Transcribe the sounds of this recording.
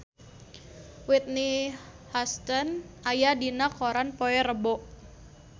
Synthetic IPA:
wit̪̚ni | hast̪ənʔajadinakoɾanpoɛɾəbɔʔ

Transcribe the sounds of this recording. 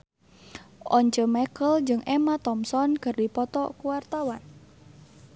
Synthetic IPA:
ʔɔɲt͡ʃəmɛkəld͡ʒɨŋʔɛmat̪ɔmsɔnkɨrdipɔt̪ɔkuwart̪awan

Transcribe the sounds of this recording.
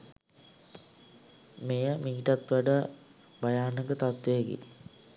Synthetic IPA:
mejəmiɦiʈat̪ʋaɖə | bajaːnəɡət̪at̪ʋeəɡḛ

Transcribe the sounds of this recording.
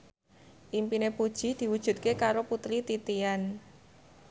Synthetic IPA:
ʔimpinepud̥ʒ̥i̤d̪̥i̤wud̥ʒ̥ṳt̪̚kekaɾoput̪ɾit̪it̪ian

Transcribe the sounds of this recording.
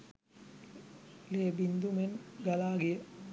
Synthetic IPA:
leːbind̪umenɡalaːɡijə

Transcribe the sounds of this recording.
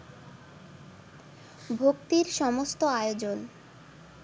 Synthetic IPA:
bʱokt̪iɾʃɔmost̪oajod͡ʑon

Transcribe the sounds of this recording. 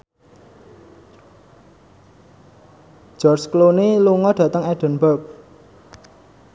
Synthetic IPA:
d͡ʒ̥ɔrt͡ʃkloniluŋɔɖ̥ä̤t̪əŋɛɖ̥ə̤nbap̚

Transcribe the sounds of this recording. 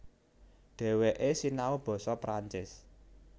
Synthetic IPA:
ɖ̪̥ɛ̤weʔesinaob̥ɔ̤sɔpɾaɲt͡ʃɪs

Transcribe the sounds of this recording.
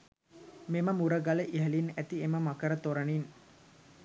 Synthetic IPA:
meməmuɾəɡaləʔiɦəlinæt̪ieməmakəɾət̪oɾənin

